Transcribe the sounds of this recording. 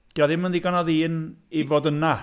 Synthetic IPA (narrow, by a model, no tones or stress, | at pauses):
d̥iaðɪmənðiɡanɔðiːnivoːdəna